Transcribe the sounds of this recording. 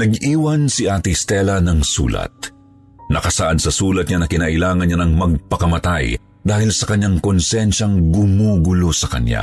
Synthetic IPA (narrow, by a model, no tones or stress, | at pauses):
nɐɡiːwɐnsiʔaːt̪ist̪ɛlɐnɐŋsṵːlɐ̰t̪̚ | nɐkɐsaʔad̪̚sɐsuːlɐt̪̚ŋɐnɐkɪnaːʔɪlaːŋɐnɲɲanɐŋmɐɡ̚pɐkɐmɐt̪aj | d̪aːhɪlsɐkɐɲːaŋkonsɛnʃɐŋɡʊmuːɡʊlosɐkɐ̰ɲja̰